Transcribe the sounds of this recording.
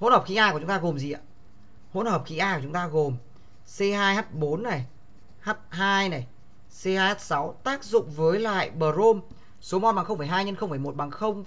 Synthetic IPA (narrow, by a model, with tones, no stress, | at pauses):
ho˧˥nhəː˨˩p̚xi˧˦ʔaː˧kwt͡ɕʊ˨˦ŋ͡mt̪aː˧ɣo˨˩mzi˨˩a̰˨˩ | ho̰˧˥nhəː˨˩p̚xi˨˦ʔaː˧kt͡ɕʊ˨˦ŋ͡mt̪aː˧ɣo˨˩m | se˧ɦaː˧jhaː˦˥t̚ɓo˨˦nːa˨˩j | haː˦˥t̚ɦaː˧jna˨˩j | se˧haː˧jhaː˦˥t̚sa˨˦wt̪aː˦˥k̚zʊ̰˧˨ŋ͡mvəː˨˦jla̰ː˧˨jɓəː˨˩zo˧m | so˨˦mo˨˩t̚ɓaː˨˩ŋxə˧wŋ͡mfəː˨˧˩jɦaː˧jɲə˧nxə˧ŋ͡mfəː˧˩jmo˨˩t̚ɓaː˨˩ŋxə˧wŋ͡m